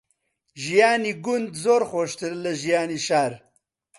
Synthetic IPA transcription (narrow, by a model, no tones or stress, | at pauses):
ʒijaːniːɡʊnd̪zoːɾxʷoʃt̪ɨɾlɐʒijaːniːʃaːɾ